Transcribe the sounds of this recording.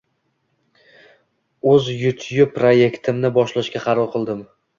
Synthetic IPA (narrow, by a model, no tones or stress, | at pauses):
ɵzjʊt̪ʰjʊp̚ːɾoje̞kʲt̪ʰɪmnɪbɒʃlaʃkʲaqʰɑɾɒlˠqʰɨlˠd̪ɪm